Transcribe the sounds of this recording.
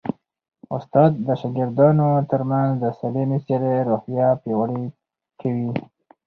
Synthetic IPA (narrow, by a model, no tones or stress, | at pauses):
ʊ̰st̪ɑd̪̚ːaʃɑɡɪɾd̪ɑnot̪əɾmanzd̪əsalemiseɾeɾohjɑpjewaɽe | kʰawi